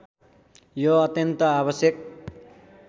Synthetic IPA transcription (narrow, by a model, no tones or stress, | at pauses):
joʌt̪jʌnt̪ʌaβʌsjʌk̚